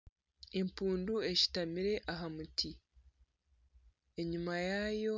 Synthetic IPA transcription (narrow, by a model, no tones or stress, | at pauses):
e̞mpuːndue̞ʃi̥tamiɾe̞ʔaɦamuti | e̞ɲimajaːjo̞